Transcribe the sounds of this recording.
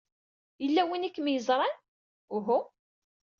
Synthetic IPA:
jəlːæwinikːmjəzˤɾˤɑn | ʊɦu

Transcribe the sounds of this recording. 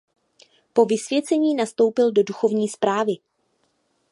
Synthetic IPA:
po̞vɪsvjɛt͡sɛɲiːnast̪o̞wpɪldo̞duxo̞vɲiːspɾaːvɪ

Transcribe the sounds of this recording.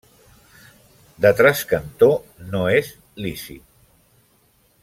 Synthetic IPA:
d̪ət̪ɾaskənt̪onoez | lisḭt̪̚

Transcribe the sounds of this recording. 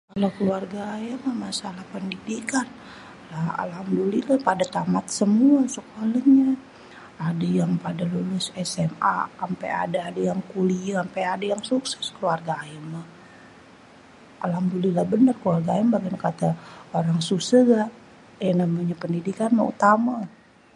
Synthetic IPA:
kalakəluarɡaːjamamasalahpəndidikan | laha̰laamdulilapadat̪amat̪̚səmuasəkualaɲa | adajaŋpadalulʊsɛsɛma̰ampa̰ja̰daːdajaŋkuliampaadajaŋsuksɛ̥skəluarɡaaəmah | ʔa̰lamdulilahbənərkəluarɡaaimbaɡinkat̪aoɾaŋsusəɡaʔ | janamaɲapəndidikanma̰ṵt̪ama

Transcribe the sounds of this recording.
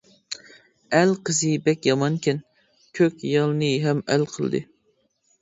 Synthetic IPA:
ælqʰəzɨbɛkʲjɑmɑnkʲʰin | kʲʰøkʲjɑlˠnɨɦɛmæ̰lqʰəl̰ˠd̪ɨ̰

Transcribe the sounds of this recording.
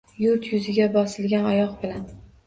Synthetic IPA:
jʊɾt̪ʰjʊzɪɡʲabɒsɪlɡʲanɒjɒqbɪlan

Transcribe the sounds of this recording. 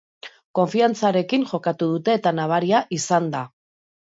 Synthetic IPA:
ko̞ɱfiant͡saɾe̞kinʝo̞kat̪uð̞ut̪e̞ːt̪anaβ̞aɾiaʔisand̪a

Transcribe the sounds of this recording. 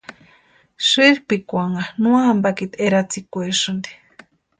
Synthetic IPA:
ʃɨɾpikʷaŋanũambakit̪eɾat͡sikʷeʂɨnd̪i̥

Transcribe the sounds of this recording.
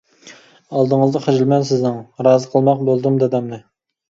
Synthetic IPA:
ɑlˠd̪ɨŋəzd̪ɑχed͡ʒɪlmɛnsɪznɪŋɾɑːzəqʰəlˠmɑq̚bolˠd̪ɨmd̪ɛd̪ɛmnɨ

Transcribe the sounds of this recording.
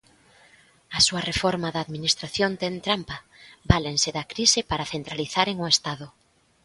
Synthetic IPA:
ɐsuɐrefɔɾmaðaːðminist̪ɾaθjont̪ent̪ɾampa | balenseðɐkɾisepaɾaθent̪ɾaliθaɾeŋʊest̪aðʊ

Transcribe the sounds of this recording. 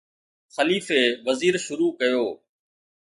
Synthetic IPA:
xəliːfeːʋəziːɾʃʊɾuːkəjoː

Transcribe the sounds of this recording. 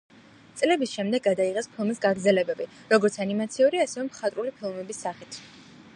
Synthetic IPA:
t̪sʼlɛbisʃɛmd̪ɛɡːad̪aiʁɛspʰilˠmisɡaɡɾd̪zɛlɛbɛbiɾɔɡɔɾt̪sʰanimat̪sʰiuɾiasɛvɛmχat̪ʼɾulipʰilˠmɛbisːaχit̪ʰ

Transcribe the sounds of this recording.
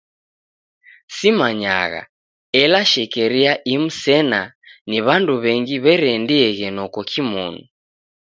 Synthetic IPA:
simaɲa̰ɣa̰ | ɛlaʃɛkɛɾiaʔim̩sɛnaniβanduβɛŋɡiβɛɾɛndiɛɣɛnɔkɔkʰimɔ̰nɔ

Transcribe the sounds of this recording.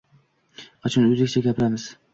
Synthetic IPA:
qɑt͡ʃʰʊnʊzɪkʲt͡ʃʰaɡʲapʰɪɾamɪz̥

